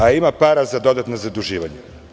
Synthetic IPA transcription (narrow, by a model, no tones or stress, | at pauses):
aimapaːɾazad̪o̞d̪at̪nozad̪uʒiːʋaɲe